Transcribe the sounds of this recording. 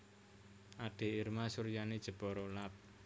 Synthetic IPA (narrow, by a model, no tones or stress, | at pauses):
ʔaɖ̥e̤irmasurjaned̥ʒ̥ə̤b̥ɔɾolap̚